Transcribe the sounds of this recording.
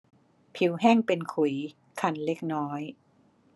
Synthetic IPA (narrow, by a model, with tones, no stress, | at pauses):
pʰi˨˩˦wɦɛː˥˩ŋpe˧nkʰu˨˩˦j | kʰa˧nle˦˥k̚nɔː˦˥j